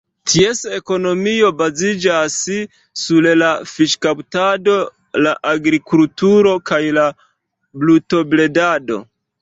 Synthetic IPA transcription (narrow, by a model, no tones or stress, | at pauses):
tʰiese̞ko̞no̞mio̞bazid͡ʒas | sullafiʃkawtado̞ | laʔaɡɾikultuɾo̞kajla | bluto̞ble̞dado̞̰